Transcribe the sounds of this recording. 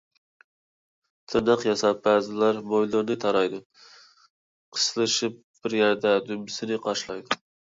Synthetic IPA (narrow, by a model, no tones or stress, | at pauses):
t̪ʰɨnɨqjɑsɑb̥æːzɪlæɾmojlˠɨɾnɨt̪ʰɑɾɑjd̪ʊ | qʰə̥slˠɨʃɪp̚b̥ɪɾjæɾd̪ɛd̪ymɪsɪnɪqʰɑʃlˠɑjd̪ʊ